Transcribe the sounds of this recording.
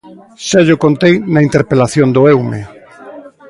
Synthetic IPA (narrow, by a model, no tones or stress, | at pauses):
ʃaʎʊkont̪ejnɐint̪eɾpelaθjond̪ʊewme